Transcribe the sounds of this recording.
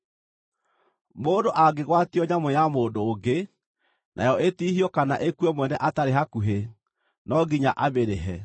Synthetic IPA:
moːndoʔaɡeɣwatiɔɲamɔjamoːdoːɡe | nʔa̰jɔʔetiːhiɔkanaʔekuemwɛnɛʔataɾeɦakuɦe | nɔɡiɲaʔaβeɾeɦɛ

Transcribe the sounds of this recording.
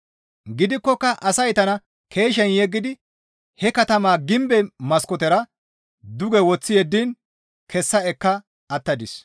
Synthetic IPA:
ɡɪd̪ɪkːɔkːɐʔɐsɐjt̪ɐnɐ | kʰe̞ːʃɛnjɛɡːɪd̪ɪ | hɛkɐt̪ɐmaːɡɪmbɛmɐskɔt̪ɛɾɐ | d̪ʊɡɛwɔt͡sːɪjɛd̪ːin | kʰɛsːɐɛkːɐ | ɐt̪ːɐd̪ɪs

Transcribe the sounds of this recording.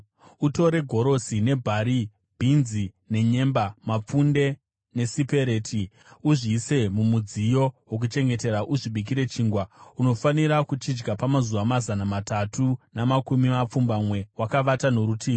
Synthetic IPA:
uto̞ɾe̞ɡʱo̞ɾo̞sine̞bʱaɾi | bʱinzi | ne̞ɲe̞mbamap͡funde̞ | ne̞sipe̞ɾe̞ːtʰi | uʐise̞mumud͡zijo̞wok̬ut͡ʃe̞ŋɡe̞te̞ɾaʔuʐiɓik̬iɾe̞t͡ʃiːŋɡwauno̞faniɾakut͡ʃid͡ʒɡapamazuʋamazanamatatʰunamakumimap͡fumbamwe̞wakaʋatanoɾutʰiːo

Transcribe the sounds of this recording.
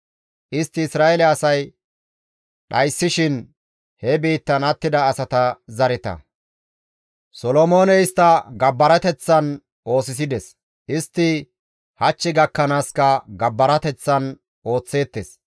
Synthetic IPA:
ʔɪst̪ːɪːsɾaːɛlɛɐsɐj | ɗɐjsːɪʃɪn | hɛbiːt̪ːɐnɐt̪ːɪd̪ɐːsɐt̪ɐzɐɾɪt̪ɐ̰ | sɔlɔmo̞ːnɛjɪst̪ːɐɡɐbːɐɾɐt̪ɛt͡sːɐn | ʔo̞ːsɪs̬ɪd̪ɛs | ʔɪst̪ːɪ | hɐt͡ʃːɪɡɐkːɐnaːskɐɡɐbːɐɾɐt̪ɛt͡sːɐn | ʔo̞ːt͡sːe̞ːt̪ːes

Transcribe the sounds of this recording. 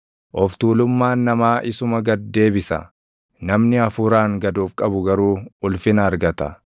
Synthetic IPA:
ʔɔft̪uːlʊmːaːnːɐmaːʔɪsʊmɐɡɐd̪ːe̞ːbɪsɐ̰ | nɐmnɪɐfuːɾaːŋɡɐd̪uːfkʼɐbʊɡɐɾuːʊlfɪnɐːɾɡɐt̪ɐ̰

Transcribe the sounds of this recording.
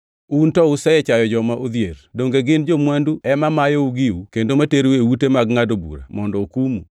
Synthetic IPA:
untɔʊsɛɛt͡ʃajɔd͡ʒɔmaʔod̪jerdoŋɡeɡɪnd͡ʒomwanduɛmamajɔuɡɪukendomateɾuewutemaɡŋadobṵɾa̰mɔndɔokumṵ

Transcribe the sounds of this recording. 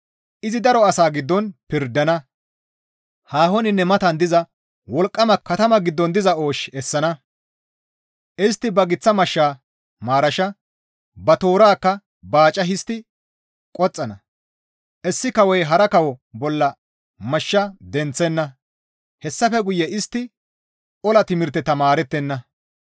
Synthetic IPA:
ʔɪzɪd̪ɐɾɔɐsaːɡɪd̪ːɔnpɪɾd̪ːɐnɐ | haːhɔnɪnːɛmɐt̪ɐnd̪ɪzɐ | wɔlkʼːɐmɐkːɐt̪ɐmɐɡɪd̪ːɔnd̪ɪzɐo̞ːʃɛsːɐnɐ | ʔɪst̪ːɪbɐɡɪt͡sːɐmɐʃːaː | maːɾɐʃɐ | bɐt̪o̞ːɾaːkːɐ | baːt͡ʃʼɐɦɪst̪ɪ | kʼɔt͡sʼːɐnɐ | ʔɛsːɪkɐwɛjɦɐɾɐkɐwɔbɔlːɐ | mɐʃːɐd̪ɛnt͡sːɛnːɐ | hɛsːɐfɛɡʊjːɛɪst̪ːɪ | ɔlɐt̪ɪmɪɾt̪ːɛt̪ɐmaːɾɛt̪ːɛnːɐ

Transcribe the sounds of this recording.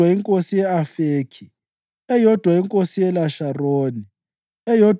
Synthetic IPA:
waiŋkʼosijɛafeːkʰi | ɛjɔd̥ʱwaiŋkʼosijɛlaʃaroːni | ɛjɔd

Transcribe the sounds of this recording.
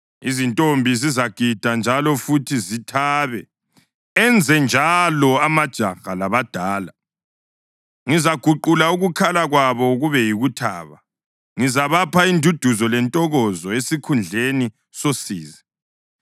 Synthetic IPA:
izintʼombʱizizaɡ̥ʱid̥ʱand͡ʒʱalɔfutʰizitʰaːβɛ | ɛnd͡zʱɛnd͡ʒʱalɔamad̥ʒ̥ʱaɣalaβad̥ʱaːla | ŋizaɡ̥ʱuǃulauɣukʰalaɣwaβɔɣuβɛjiɣutʰa̰ːβa | ŋizaβapʰaindʱud̥ʱuzɔlɛntʼɔɣɔzɔesikʰund͡ɮʱeni | sosiːzɛ

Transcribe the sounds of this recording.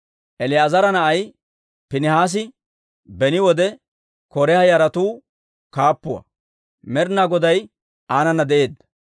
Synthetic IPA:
ʔɛlɪjaːzɐɾɐnɐʔɐj | pɪnɪhaːs̬ɪ | bɛnɪwɔd̪ɛ | kɔɾɛhɐjɐɾɐt̪uː | kaːpːʊwɐ̰ | mɛɾnaɡɔd̪ɐj | aːnɐnːɐd̪ɛʔe̞ːd̪ːɐ̥

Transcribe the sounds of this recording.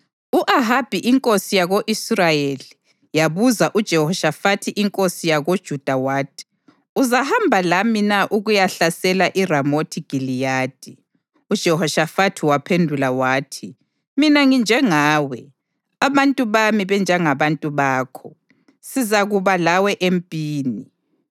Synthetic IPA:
uʔaɦab̥ʱiʔiŋkʼosijaɣoʔisrajeli | jaβuzaʔud̥ʒ̥ʱɛhɔʃafatʰiʔiŋkʼosijaɣod̥ʒ̥ʱud̥ʱawaːdʰi̥ | uzahambʱalaminaʔuɣujaɬasɛlaʔiramotʰiɡ̥ʱilijaːd̥ʱi | ud̥ʒ̥ʱɛhɔʃafatʰiwapʰendʱulawaːtʰi | minaŋind͡ʒʱɛŋaːwɛ | aβantʼuβamiβɛnd͡ʒʱaŋaβantʼuβaːkʰɔ | sizaɣuβalawɛʔempʼiːni

